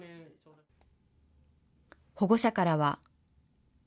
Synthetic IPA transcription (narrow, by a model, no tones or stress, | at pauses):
ho̞ɡo̞ɕakaɾaβa